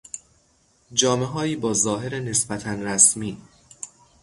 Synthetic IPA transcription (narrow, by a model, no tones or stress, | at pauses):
d͡ʒɒːme̞ɦɒːiːbɒːzɒːɦe̞ɾene̞sbæt̪ʰænɾæsmiː